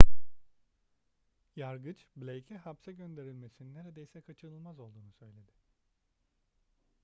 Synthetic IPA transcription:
jaɾɡɯt͡ʃblʲejcʰɛhapsɛɟø̞nd̪e̞ɾilʲme̞sinine̞ɾed̪e̞jisɛkʰat͡ʃʰɯɾɯlˠmazo̞lˠd̪uːnusø̞jlʲe̞d̪ɪ

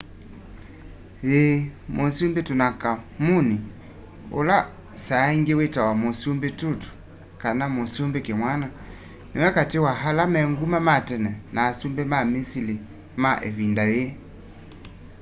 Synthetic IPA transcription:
emosumbetunakamuni | o̰la | saiŋɡewetawamosumbetutu̥ | kanamosumbekemwana | niwɛkatewaɦalamɛŋɡumamatɛnɛnaːsumbɛmamisili | maʔevindaje

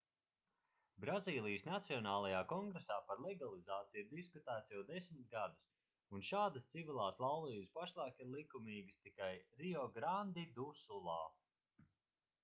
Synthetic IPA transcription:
bɾaziːlˠijəsnat̪siɔnaːlˠajaːkɔŋɡɾesaːpaɾlˠɛɡalˠizaːt̪sijiɾd̪iskut̪æːt̪sjɛwd̪ɛsmɪt̪̚ɡad̪us | unʃaːd̪ast̪sivilˠaːslˠawlˠiːjəspaʃlˠaːkiɾlˠikumiːɡɨst̪ikajɾiɔɡɾand̪id̪usulˠaː

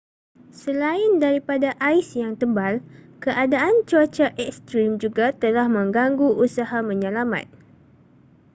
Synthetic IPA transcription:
səlaɪndaɾipadaʔaisjaŋt̪əmbalkəʔadaʔant͡ʃuat͡ʃaʔɛkst̪ɾimd͡ʒuɡat̪əlahmə̃ŋɡaŋɡuʔusahamə̃ɲãlamã̰t̪̚

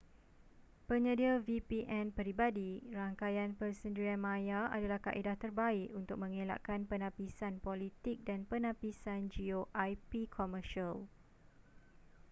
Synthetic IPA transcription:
pəɲədiavipiʔɛ̃npəɾibadiraŋkajanpərsəndəɾianmãjaa̰dalahka̰ʔidaht̪ərbaɪʔunt̪ʊk̚mə̃ŋela̰ʔkanpənãpisanpolit̪ɪk̚danpənapisand͡ʒioʔajpikʰɔməʃal

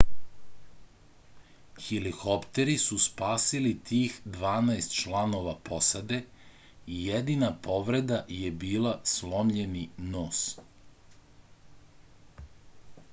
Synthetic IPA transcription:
xilixopt̪e̞ɾisuspaːsilit̪iːxd̪ʋaːnaest̪t͡ʃlˠano̞ʋapo̞sad̪e̞ | ijed̪inapo̞ʋɾe̞d̪ajebiːlˠaslo̞mʎeninoːs

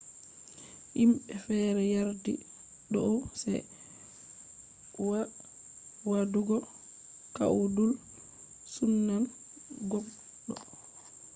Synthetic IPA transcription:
ʔimɓɛfɛːɾɛjaɾdḭ | ɗɔʔsɛ̰ | w | waduɡɔ | ka̰ʔudul | sunːan | ɡɔm | ɗɔ

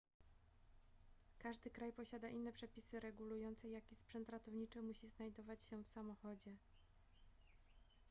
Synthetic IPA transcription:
kaʐd̪ɘkɾajpɔɕad̪aʔinːɛpʂɛpʲisɘɾɛɡulujɔnt̪sɛjakʲispʂɛnt̪ɾat̪ɔvɲit͡ʂɘmuɕiznajd̪ɔvat͡ɕɕɛfsamɔxɔd͡ʑɛ

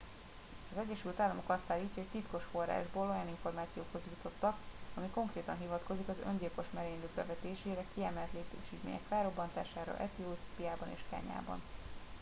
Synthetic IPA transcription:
ɒzɛɟːɛʃylt̪aːlːɒmo̞kɒst̪aːlːiːcːɒɦoct̪it̪ko̞ʃfo̞ra̰ːʒboːlo̞jɒniɱfo̞rmaːt̪sijoːkho̞zjut̪o̞t̪ːɒkɒmiko̞ŋkreːt̪ɒnɦivɒt̪ko̞zikɒzø̰nɟilko̞ʃmɛɾeːɲløɡ̚bɛ̰vɛt̪eːʃeːɾɛkiɛmɛlt̪leːt̪ḛːʃic̪mḛːɲɛ̰kfɛːɾo̞bːɒnt̪a̰ːʃaːɾɒ̰ʔɛt̪ioːt̪pijaːbɒnḛːʃka̰ːɲa̰ːbɒ̰n

